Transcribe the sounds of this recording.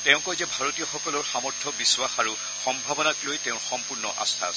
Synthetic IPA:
tɛʊ̃kɔjzɛbʱaɹotijɔxɔkɔlɔɹxamɔɹtʰːɔbiswaxaɹu | xɔmbʱabɔnaklojtɛʊ̃xɔmpuɹnɔʔa̰st̪ʰa̰

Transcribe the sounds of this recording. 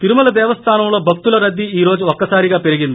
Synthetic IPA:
t̪iɾumɐlɐd̪eːʋɐst̪ʰaːnɐmuɭobʱɐk̚t̪ulɐɾɐd̪ːiiːɾo̞ːd͡ʑɨokːɐsaːɾiɣaːpeɾiɣinːu

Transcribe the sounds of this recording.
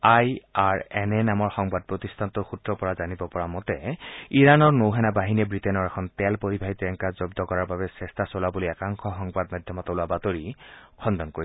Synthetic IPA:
ajaɹɛnɛnamɔɹxɔŋbad̚pɹotistʰantʊxutɹɔpɔɹazanibɔpɔɹamɔtɛiɹanɔɹnowɦɛnabaɦiniɛbɹitɛnɔɹɛkʰɔntɛlpoɹibʱaɦitɛŋkazɔbdɔkɔɹaɹbabɛsɛstʰasolabuliɛkaŋkʰɔxɔŋbadmadʱjɔmɔtɔlʊabatoɹikʰɔndɔnkoi

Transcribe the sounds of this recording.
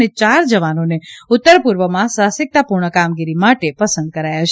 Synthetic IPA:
net͡ʃaɾd͡ʒəʋanoneʊt̪ːəɾpuɾʋəmãsasɪk̚t̪apuɾɳəkamɡiɾimaʈepəsənd̪̚kəɾajat͡ʃʰ

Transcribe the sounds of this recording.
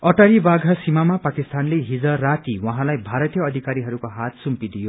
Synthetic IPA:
ʌʈaɾibaɡʱasimamapakist̪anleɦid͡zʌrat̪iwʌɦãlajbʱaɾʌt̪ijʌːd̪ʱikaɾiɦʌɾukoɦat̪sumpid̪ijo

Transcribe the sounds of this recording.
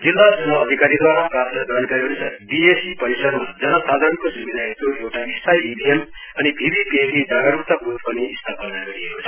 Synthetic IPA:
d͡zilːasʌŋʌːd̪ʱikaɾid̪waɾaprapt̪ʌɡʌɾnkʌɾiɦosʰʌbiesipʌɾisʌd̪mad͡zʌnʌsad̪ʱaɾʌnkosimid̪ʱaɦekoewʈaispajibʱiem | ʌnibʱibipeɡid͡zaɡaɾupt̪abut̪pʌniist̪ʰapʌnaɡʌɾiɦekot͡sʰʌ̥

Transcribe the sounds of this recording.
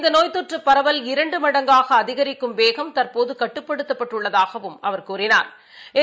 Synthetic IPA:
nd̪ɐnoːjt̪ɔʈrɯpːɐɾɐʋɐlɪɾɐɳɖɯmɐɽɐŋɡaːɣɐːðɪɣɐɾɪkːɯmʋeːɣɐmt̪ɐɾpoːðɯkɐʈːɯpːɐɽɯt̪ːɐpːɐʈːɯɭːɐðaːɣɐʋɯmɐ̰ʋɐɾkuːɾɪna̰ːɾ | ɛ

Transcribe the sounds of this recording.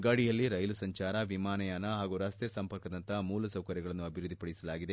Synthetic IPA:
ɡɐɽijɐlːiɾɐjlusɐɲt͡ʃaːɾɐʋimaːnɐjaːnɐɦaːɡuɾɐst̪esɐmpɐɾkɐd̪ɐnt̪ɐmuːlɐsɐwkɐɾjɐɡɐɭɐnːuɐbʱiɾud̪ʱːipɐɽisɐlaːɡid̪e̞

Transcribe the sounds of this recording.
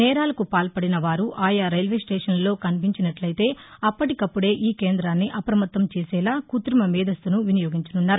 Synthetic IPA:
nɛːɾaːlɐkupaːlpɐɽinɐʋaːɾuʔaːjaːɾɐjlʋeːsʈeːʂɐnlo̞ːkɐnipiɲt͡ʃinɐʈlɐjt̪e̞ːɐpːɐʈikɐpːuɽe̞ːʔiːke̞ːnd̪ɾaːnːiʔɐpɾɐmɐt̪ːɐmt͡ʃeːsɛːlaːkut̪ɾimɐmiːd̪ʱɐst̪unuʋinijo̞ːɡiɲt͡ʃɐnunːaːɾu

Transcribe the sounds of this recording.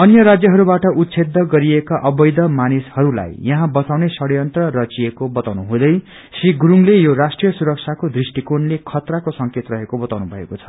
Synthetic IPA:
ʌnjʌɾad͡zjʌɦʌɾubaʈʌʔut̪sʰed̪ʱːʌɡʌɾiekaʔʌbʌjd̪ʌmanishʌɾula̰jjʌɦãbʌt͡sawnesʌɽjʌnt̪rʌrʌt͡siekobʌt̪awnuɦũd̪ʌj | sriɡɾuŋlejoɾasʈrijʌsuɾʌk̚t͡sʰakod̪risʈikonlekʰʌt̪rakosʌŋket̪rʌɦekobʌt̪awnubʱʌḛkot͡sʰʌ̥

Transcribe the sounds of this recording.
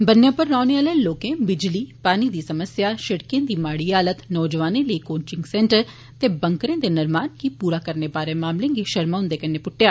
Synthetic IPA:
bənːjãːpəɾːaːneaːlẽloːkẽːbɪd͡ʒliːpaːnid̪iːsəməsjaːʃəɽkẽːd̪iːmaːɽiːaːlət̪nɔːd͡ʒəʋaːnẽːləikoːnt͡ʃɪ̃ŋɡsɛ̃ːɳʈəɾ | t̪eːbə̃ŋkɾẽːd̪eːnɪɾmaːnkipuːɾaːkəɾnepaːɾeːmaːmlẽːɡiʃəɾmaːʊ̃nd̪eːkɐnːeːpʊʈːjaː

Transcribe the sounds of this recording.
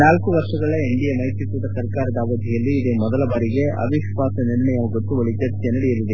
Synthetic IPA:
naːlkuʋɐɾʂɐɡɐɭeeɳɖijɐmɐjt̪ut̪ud̪ɐsɐɾkaːɾɐd̪ɐːʋɐd̪ʱijɐlːiːd̪emɔd̪ɐlɐbaːɾiɡe̞ɐ̰bʱiʃʋaːsɐniɾɳɐjɐɡot̪ːuʋɐɭit͡ʃɐɾt̪jenɐɽijɐɾid̪e

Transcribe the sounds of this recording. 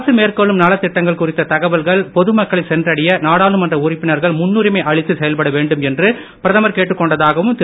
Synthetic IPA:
sɯmeːrkɐɭːɯmnɐlɐt̪ːɪʈːɐŋɡɐɭkʊrɪt̪ːɐt̪ɐɣɐʋɐlɣɐɭpɔðɯmɐkːɐɭɪsɛndrɐɽɪjɐnaːɽaːlɯmɐndrɐʊrɪpːɪnɐɾɣɐɭmʊnːuːɾɪmɐɪʔɐɻɪt̪ːɯsɛjɐlpɐɽɐʋeːɳɖɯmɛndrɯ | pɪɾɐðɐmɐɾkeːʈːɯkːɔɳɖɐðaːɣɐʋɯmt̪ɪ

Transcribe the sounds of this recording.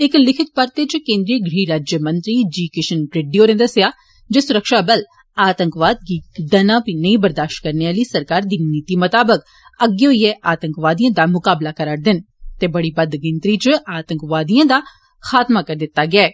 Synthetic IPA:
ɪklɪkʰɪt̪̚pəɾt̪et͡ʃkẽːnd̪ɾiːɡɾiːɾaːd͡ʒjəmə̃nt̪ɾiːd͡ʒiːkɪʃənpɾɪɖioːɾẽnd̪əsɪjaː | d͡ʒeːsʊɾəkʃaːbəl | aːt̪əŋkʋaːd̪̚ɡiːd̪ɐnãːpiːnəĩːbəɾd̪aːʃʈkəɾneaːliːsəɾkaːɾd̪iːniːt̪iːmət̪aːbək | əɡːeʊiɛʔaːt̪əŋkʋaːd̪ijãːd̪aːmʊkaːblaːkəɾəɽd̪ɪn | t̪eːbəɽiːbəd̪ɡɪnt̪ɾiːt͡ʃaːt̪əŋkʋaːd̪ijãːd̪aː | xaːt̪maːkəɾd̪ɪt̪ːaːɡɪaɛː

